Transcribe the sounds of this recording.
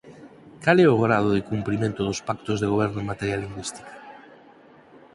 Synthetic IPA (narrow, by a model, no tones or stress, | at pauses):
kalɛʊɣɾað̞ʊðɪkumpɾimẽnt̪ʊðospakt̪ozðeɣ̞oβ̞ɛɾnʊẽŋmat̪eɾjalːiŋɡwist̪i̥kḁ